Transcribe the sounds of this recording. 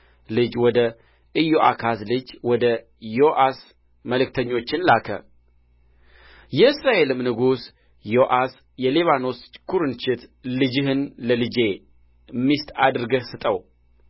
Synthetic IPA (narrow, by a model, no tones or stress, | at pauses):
lɨd͡ʒwɔd̪ə | ʔɨjːoʔa̰kʰaslɨd͡ʒwɔd̪ə | joʔas | məlɨk̚t̪ʰəɲːo̞t͡ʃːɪnlakʰə̰ | jɛɨsɾaʔe̞lɨmnɨɡus | joʔas | jɛleβano̞skʰuɾɨnt͡ʃɪt̪lɨd͡ʒɪɦɨnləlɨd͡ʒe̞ | mːist̪ʰʼad̪ɨɾɡəhsɨt̪ʼəw